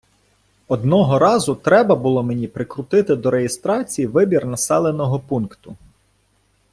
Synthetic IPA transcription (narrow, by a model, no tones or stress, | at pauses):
ɔd̪nɔɦɔɾɑzʊt̪ɾɛbɐbʊlˠɔmenʲipɾɪkɾʊt̪ɪt̪ɪd̪ɔɾejest̪ɾɑt͡sʲijiʋɪbʲirnɐsɛlˠenɔɦɔpunkt̪ʊ